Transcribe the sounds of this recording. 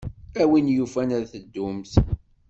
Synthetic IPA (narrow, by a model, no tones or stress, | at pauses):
æwinjufænəɾθəd̪ːʊmθ